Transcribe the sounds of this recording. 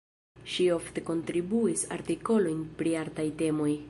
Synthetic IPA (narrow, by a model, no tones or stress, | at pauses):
ʃio̞fte̞ko̞ntɾibuisa̰ɾtiko̞lo̞jnpɾiaɾtajte̞mo̞j